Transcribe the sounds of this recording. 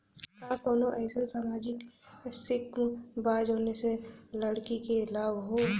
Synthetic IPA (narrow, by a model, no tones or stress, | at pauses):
kaːkoːnoʔɛːsesamaːd͡ʒɪksɪkmbaːd͡ʒɦoːneseləɽkikelaːbɦoː